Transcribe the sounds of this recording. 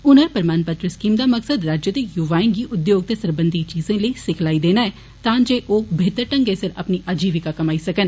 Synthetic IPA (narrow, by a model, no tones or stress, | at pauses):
ʊnəɾpəɾmaːnpət̪ɾəskiːmd̪aːməksəd̪ɾaːd͡ʒjəd̪eːjʊʋaːẽːɡiːʔʊd̪joːɡ̚t̪eːsəɾbənd̪ʱit͡ʃiːzẽːləisɪkʰlaːiːd̪eːnaːɛː | t̪ãːd͡ʒeːʔoːbʱeːt̪əɾʈəŋɡeːsɪɾə̰pniːʔəd͡ʒiːʋɪkaːkəmaːisəkən